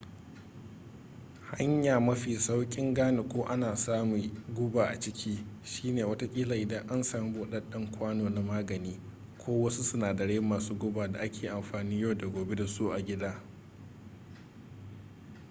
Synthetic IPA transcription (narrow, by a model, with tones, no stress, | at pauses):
ha˦ɲjaː˨mɐ˦ɸiː˨sa˦wkʲʼɪ˦ŋɡaː˦ne˨kʷoː˦ʔa˦naː˨saː˦mu˨ɡʷʊ˦baː˨ʔa̰˨t͡ʃɪ˦kʲʰiː˦ʃiː˦neː˨wɐ˦ta˦kʲʼiː˦laː˨ʔɪ˦dɐ˦ŋʔa˦nsaː˨m˦boː˨ɗɐ˦ɗɐ˦ŋkʷaː˦noː˨na˦maː˦ɡɐ˨niː˦ | kʷʰoː˦wɐ˦su˦sʊ˦naː˨dɐ˨ɽeː˦mːaː˨suː˦ɡʷʊ˦baː˨da̰˨ʔa˦kʲʰeː˨ʔa˨mɸaː˨niː˦ja˦wda˨ɡʷoː˨be˦da˨su˦ʔa˨ɡʲɪ˦daː˦